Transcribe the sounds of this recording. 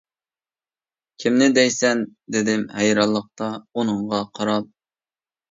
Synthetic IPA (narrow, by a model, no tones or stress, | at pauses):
kʲʰimnɪd̪ɛjsɛnd̪ɪd̪ɪmhɛjɾɑlˠːəq̚t̪ɑunɨɴʁɑqʰɑɾɑlˠ